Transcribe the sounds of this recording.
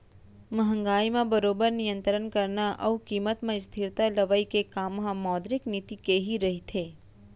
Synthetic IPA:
məɦə̃ŋɡaːimãbəɾoːbəɾnijə̃nt̪ɾənkəɾnaʔəukiːmət̪mẽst̪ʰɪɾt̪aləʋaikekaːmɦãmɔːd̪ɾɪknɪt̪ikeɦiɾɐɦit̪ʰeː

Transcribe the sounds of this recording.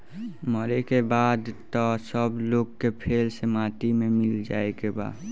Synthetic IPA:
məɾekebaːd̪t̪ɔsəbloːɡkepʰeːlsemaːt̪imẽmɪld͡ʒa̰ːekeba̰ːd̪

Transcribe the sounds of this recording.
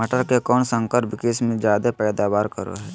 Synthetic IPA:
əʈəɾkekɔːnsə̃ŋkəɾpɪkesmẽd͡ʒjaːd̪apɛːd̪aːʋaːɾkəɾo̰ɦɛː

